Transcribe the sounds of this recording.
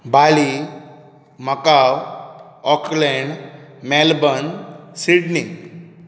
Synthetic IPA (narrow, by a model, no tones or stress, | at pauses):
bali | məkaw | ɔklɛɳɖmɛlbənsiɽniŋ